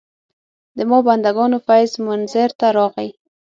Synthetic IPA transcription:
d̪əmɑband̪aɡɑnofajzmʊnzəɾt̪aɾɑɣəj

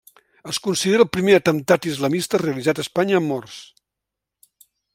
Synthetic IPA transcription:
əskunsiðeɾəlˠpɾimeət̪ənt̪at̪izləmist̪əreəlizat̪əspaɲəːmːɔrs

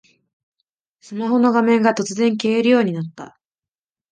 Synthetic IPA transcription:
sɨmaɦo̞no̞ɡamẽ̞ŋɡat̪o̞t͡sɨzẽ̞ŋkeːɾɯ̟jo̞ːɲ̟inat̪ːa̰

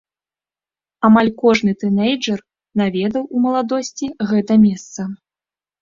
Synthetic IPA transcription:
amalʲkɔʐnɨt̪ɨnejd͡ʐɐr | navʲɛd̪ɐwumɐlˠad̪ɔsʲt͡sʲiɣɛt̪ɐmʲɛst̪sɐ

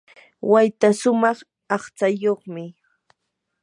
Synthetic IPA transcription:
wajt̪aʃʊmɑχ | ɑχt͡sajoχmɪ

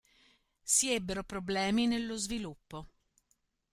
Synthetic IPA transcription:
siɛbːeɾopɾoblɛːminelːozvilupːo

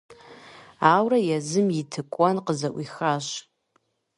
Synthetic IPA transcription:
awrajazɨmitʰɨkʷʼwanqəzaʔʷixaʒ

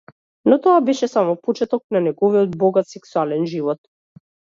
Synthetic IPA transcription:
nɔt̪ɔabɛʃɛsamɔpɔt͡ʃɛt̪ɔk̚nanɛɡɔviɔd̪̚bɔɡat̪sɛksualɛnʒivɔt̪̚

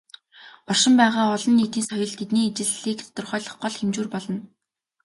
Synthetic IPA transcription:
ɔrʃɪ̆mpæːʁaːɔɮɞ̆nːiːt̪iːnsɔjɞ̆ɮt̪et̪niːet͡ɕɪ̆ɮːiːkt̪ʰɔ̥t̪ɞ̆rχœːɮə̆χɢɔɮxemt͡ɕuːrpɔɮɞ̆n

